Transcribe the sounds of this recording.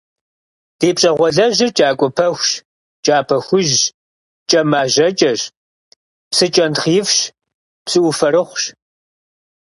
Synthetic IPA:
d̥eːpɕʼɐʁʷɔɮɐʒɪt͡ʃʼaːkʷʼʊpʰɐxʷʃ | t͡ʃʼaːpʰɐxʷʊʒ | t͡ʃʼɐmaːʒɐt͡ʃʼɐɕ | psɨt͡ʃʼɐnχiːfʃ | psɨʔʊfɐɾɨχʷɕ

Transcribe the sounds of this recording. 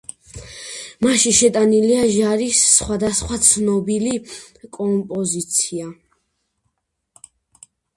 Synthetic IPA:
maʃiʃɛt̪ʼaniliaʒaɾisːχwad̪asχwat̪sʰnɔbili | kʼɔmpʼɔzit̪sʰia

